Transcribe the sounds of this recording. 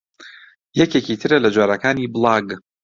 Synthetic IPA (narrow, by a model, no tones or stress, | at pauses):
jɛkecit̪ʰɨɾɐlɐd͡ʒwaːɾɐkʰaːniblˠɑːɡ